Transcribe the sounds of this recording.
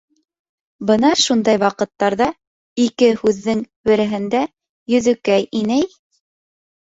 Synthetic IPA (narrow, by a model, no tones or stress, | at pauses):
bɤ̆nɑʃund̪ɑjwɑqɤ̆t̪ːɑɾðɑ | ikɘhʉðːɘŋ | bɘ̆ɾɘ̆ɦɘ̆nd̪æ | jɵ̆ðɘ̆kæjinæj